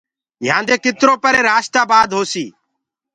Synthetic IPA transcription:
jãːnd̪eːkɪt̪ɾoːpəɾeːɾaːʃt̪aːbaːd̪ɦoːsiː

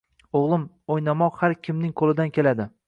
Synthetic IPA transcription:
oʁlˠɪm | ojnamɒqhaɾkʲʰɪmnɪŋqʰolˠɪd̪ankʲe̞lad̪ɪ

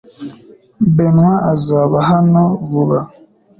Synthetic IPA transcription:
benwaʔazaβaɦanɔvuβa

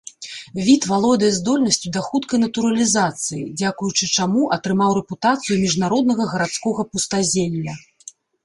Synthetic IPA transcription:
vʲit̪valˠɔd̪ɨjɐzd̪ɔlʲnɐsʲt͡sʲud̪ɐxut̪kɐjnɐt̪uɾɐlʲizat̪sɨjid͡zʲakujut͡ʂɨt͡ʂamuʔɐt̪ɾɨmawɾɛput̪at̪sɨjumʲiʐnaɾɔd̪nɐɣɐɣɐɾat̪skɔɣɐpust̪azʲelʲlːʲɐ

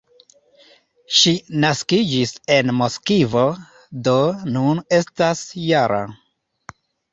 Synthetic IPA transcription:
ʃinaskid͡ʒise̞nmoskivo̞ | do̞nune̞stasjaɾa̰

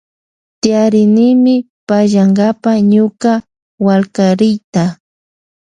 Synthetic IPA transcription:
t̪ɪjaɾɪnɪmɪ | paʒaŋɡapaɲʊka | walkaɾɪjt̪a

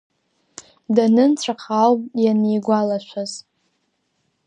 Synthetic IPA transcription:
danɨnt͡sʷʰaqʰalpʼjanejɡʷalaʃʷaz

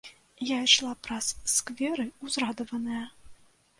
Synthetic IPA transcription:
jajʂlˠapɾɐsːkvʲɛɾɨuzrad̪ɔvɐnɐjɐ

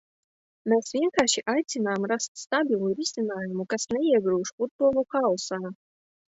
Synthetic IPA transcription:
meːsvʲiɛnkaːʃiʔajt̪sʲinaːmɾast̪st̪abʲilˠuɾʲisʲinaːjumukasnɛiɛɡɾuːʂfud̪̚buɔlˠukalˠsaː

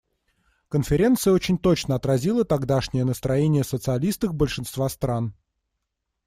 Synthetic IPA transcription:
kənfʲɪɾʲe̞nt̪sɨjəot͡ɕɪnʲt̪ot͡ɕnəɐt̪ɾɐzʲilˠət̪aɡd̪aʂnʲɪjənəst̪ɾɐjenʲɪjəsət̪sɨɐlʲist̪əfbəlʲʂɨnst̪vast̪ɾan

